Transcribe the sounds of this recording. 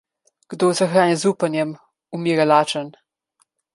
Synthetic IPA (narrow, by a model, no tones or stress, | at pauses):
ɡ̥d̪ozaxɾaːnjɛzuːpənjɛm | umiːɾɛlaːt͡ʃən